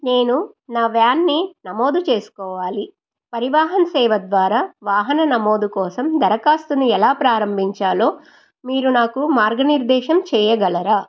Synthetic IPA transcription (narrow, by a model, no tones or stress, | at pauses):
neːnu | naːʋjaːnːinɐmo̞ːd̪ut͡ʃeːsu̥kɔːʋaːli | pɐɾiʋaːɦɐnɐsɛːʋɐd̪ʋaːɾaːʋaːɦɐnɐnɐmoːd̪ukɔːsɐmd̪ɐɾɐkaːst̪uniɛlaːpɾaːɾɐmbʱiɲt͡ʃaːlo̞ː | miːɾunaːkumaːɾɡɐniɾd̪ɛːʃɐmt͡ʃɛːjɐɡɐlɐɾaː